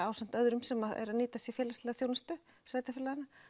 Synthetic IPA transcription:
aːwsan̥t̪œðɾʏmsɛmaɛ̰ɾaðniːt̪asifjɛːlast̪lɛːɣaθjoːwnast̪ʏ | sveːjt̪afɪlaðɪna

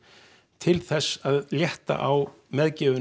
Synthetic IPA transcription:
t̪ʰɪlθɛsːaðljɛht̪a̰ʔawmɛðcɛːvʏ

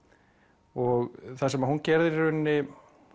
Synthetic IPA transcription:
ɔɣθasɛmaðhuncɛɾðɪɾʏnːɪ

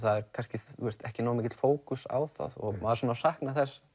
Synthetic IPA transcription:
θaðɛɾkʰanscɪuɾst̪ɛhcɪnawamɪcɪt̪l̥foːwkʏsa̰ːwθa̰ðɔ̰ɣmaðaɾsaːnawsahknaθɛsː

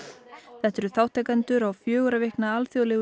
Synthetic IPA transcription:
θɛht̪ɛɾʏθaːwht̪ʰɛjkant̪ʏɾawfjœːɣʏɾavɪhknaalθjawlɛɣ

